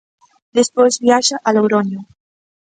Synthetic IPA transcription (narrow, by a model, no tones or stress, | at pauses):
d̪espojzβiaʒaʔalowɾoɲjo